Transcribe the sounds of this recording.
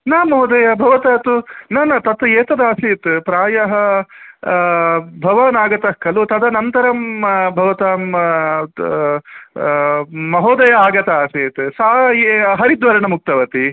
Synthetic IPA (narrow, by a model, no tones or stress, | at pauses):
naːmɐɦɔd̪ɐjɐbʱɐʋɐt̪aːt̪unɐnɐt̪ɐt̪ɐeːt̪ɐd̪aːsiːt̪pɾaːjɐɦɐ | bʱɐʋaːnaːɡɐt̪ɐhkʰːɐlut̪ɐd̪ɐnɐnt̪ɐɾɐmbʱɐʋɐt̪aːm | mɐɦɔːd̪ɐjɐaːɡɐt̪aaːseːt̪saːɦɐɾid̪ʋɐɾɐɳɐmuk̚t̪ɐʋɐt̪i